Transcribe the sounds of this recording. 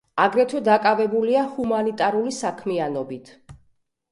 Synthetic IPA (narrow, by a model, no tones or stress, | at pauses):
aɡɾɛt̪ʰɛd̪akʼavɛbuliahumanit̪ʼaɾulisakʰmianɔbit̪ʰ